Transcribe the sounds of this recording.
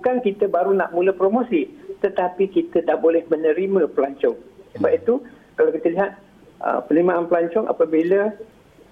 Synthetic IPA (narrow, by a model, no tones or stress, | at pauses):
bukankit̪əbaɾuna̰ʔmũləpɾomosit̪ət̪apikit̪ədahbolɛhmə̃nə̃ɾimə̃pəlaɲt͡ʃɔŋsəbap̚it̪u | kalawkit̪əliɦat̪̚ | ʔə̰pənəɾimaʔanpəlaɲt͡ʃɔŋʔa̰pəbilə